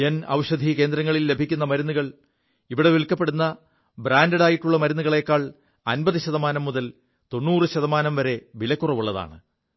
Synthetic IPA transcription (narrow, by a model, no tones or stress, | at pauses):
enɐ̰wɕɐd̪ʱike̞ːnd̪ɾɐŋːɐɭilːe̞bʱikʲːunːɐmɐɾunːuɣɐɭ | iʋiɽe̞ʋiɭkːɐpːe̞ɽunːɐ | bɾaːndɐɽaːjiʈːuɭːɐmɐɾunːuɣɐɭe̞kːaːɭ | ɐnbɐðɨɕɐðɐmaːnɐmːuðɐl | t̪o̞nːuːrɨɕɐðɐmaːnɐmʋɐɾe̞ʋilɐkːurɐʋuɭːɐða̰ːɳɨ